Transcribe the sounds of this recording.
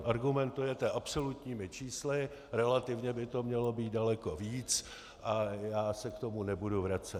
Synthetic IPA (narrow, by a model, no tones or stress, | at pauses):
ʔaɾɡumɛnt̪ujɛt̪ɛʔapso̞lut̪ɲiːmɪt͡ʃiːslɪ | ɾɛlat̪ɪvɲɛbɪt̪o̞mɲɛlo̞biːt̪̚dalɛko̞viːt͡s | ʔajaːsɛkt̪o̞munɛbuduvɾat͡sɛ